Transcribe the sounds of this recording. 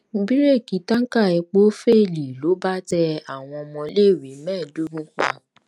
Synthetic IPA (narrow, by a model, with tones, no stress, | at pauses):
m̩˦bi˦ɾe˦˨ki˨˦ta˦ŋ̩˦ka˦˨ɛ˧k͡po˦fe˦˨li˨lo˨˦ba˦tɛ˧a˨w̃ɔ̃˧ɔ˧mɔ̃˧le˦˨wi˨˦mɛ̃ː˦˨du˨˦ɡũ˦k͡pa̰˦˨